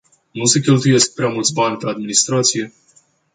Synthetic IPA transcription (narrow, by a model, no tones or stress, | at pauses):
nuse̞kʲe̞lt̪uje̞sk̚pɾeamult̪sʲbanʲpead̪minist̪ɾat̪sije̞